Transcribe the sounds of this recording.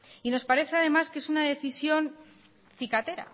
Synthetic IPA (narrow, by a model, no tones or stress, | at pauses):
ino̞spaɾe̞θeaðe̞maskee̞sunaðe̞θisjo̞n | θikat̪e̞ɾa̰